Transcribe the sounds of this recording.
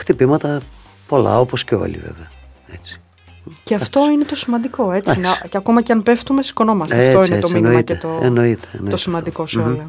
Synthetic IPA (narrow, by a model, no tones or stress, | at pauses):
xt̪ipimɐt̪ɐ | po̞lɐ̰o̞posceo̰lḭvḛveɐ | e̞t͡si̥ | ceɐft̪o̞inet̪o̞simɐnd̪iko̞e̞t͡sinɐko̞mɐceɐnpe̞ft̪umesi̥ko̞no̞mɐst̪eft̪oinet̪ominɐicet̪oḛnoit̪ent̪osimɐnd̪iko̞seolo